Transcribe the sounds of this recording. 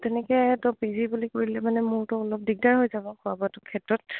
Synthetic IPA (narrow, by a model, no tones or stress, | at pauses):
tɛnɛkɛtʊpizibulikoɹilɛmanɛmʊɹtʊɔlɔp̚diɡ̚daɹɦojzabɔkʰʊabɔtʊkʰɛtɹɔt̚